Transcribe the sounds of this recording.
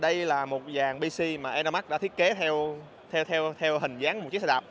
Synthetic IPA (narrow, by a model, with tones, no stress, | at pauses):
ɗə˧jlaː˨˩mo˨˩t̚zaː˨˩ŋɓi˧si˧maː˨˩ʔɛ˧nɗa˧ma˦˥k̚ɗa̰ː˧˥t̪ʰi˦˥ət̚ke˨˦t̪ʰɛ˧w | t̪ʰɛ˧wt̪ʰɛ˧wt̪ʰɛ˧wɦï˨˩ŋ̟zaː˨˦ŋ̚˨˩t͡ɕi˦˥sa˧˩ɗa˨˩